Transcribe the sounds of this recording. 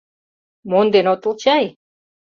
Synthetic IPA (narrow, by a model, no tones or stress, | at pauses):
mond̪enot̪ə̆lˠt͡ɕɑj